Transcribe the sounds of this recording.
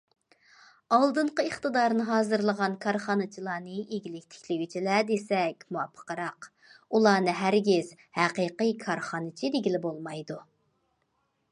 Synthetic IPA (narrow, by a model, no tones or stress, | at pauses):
ɑlˠd̪ɨɴqəeχt̪ɨd̪ɑɾnɨɦɑːzɨɾlˠəʁɑnkʰɑɾχɑnɨt͡ʃʰilˠɑːnɨeɡʲilɪkʲt̪ʰe̥kʲlɪwit͡ʃʰilɛd̪esɛkʲmuɑpʰːə̥qəɾɑq | ulˠɑːnɨɦæɾɡʲɪz̥ | hæqijqijkʰɑɾχɑnɨt͡ʃʰid̪eɡʲilɪbolˠmɑjd̪u